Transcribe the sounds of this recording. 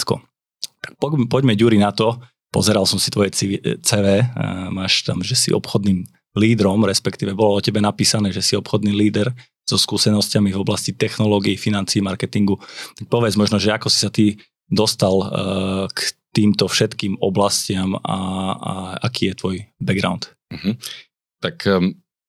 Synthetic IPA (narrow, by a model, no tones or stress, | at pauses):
skɔ̰ | t̪ḁk̚pɔpɔɟmɛɟuɾinat̪ɔ | pɔ̰zɛɾalsɔmsi̥t̪ʋɔjɛit͡sɛːʋɛːmaːʃt̪amʒɛsḭʔɔ̰pxɔd̪niːm | liːd̪ɾɔmɾɛspɛkt̪iːʋɛbɔlɔɔcɛbɛnapiːsanɛːʒɛsiɔpxɔd̪niːliːd̪ɛɾ | z̥ɔskuːsɛnɔscamivɔblascit̪ɛxnɔlɔɡijifinant͡siːmaɾkɛt̪iŋɡut̪ak̚pɔʋjɛd͡zmɔʒnɔʒɛakɔsi̥sat̪i | d̪ɔst̪al | kt̪iːmt̪ɔfʃɛt̪kiːmɔblascɪama̰ | a̰kiːjɛt̪ʋɔjbɛɡɾa̰ʊnt̪̩ɦ̩ | t̪ak